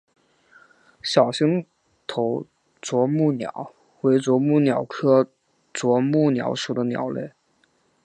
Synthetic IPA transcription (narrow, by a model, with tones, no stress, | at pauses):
ɕjɑ˨˩ʊɕi˥ŋ | t̪ʰo˧˥ʊ | t͡swɔ˧˥mu˥˩njɑ̰˨˩˦ʊ | we˧˥ɪt͡swɔ˧˥mu˥˩njɑ˨˩ʊkʰɤ˥ | t͡swɔ˧˥mu˥˩njɑ̰˧˥ʊʂu˨˩d̪ə˦njɑ̰˨˩ʊlḛ˥˩ɪ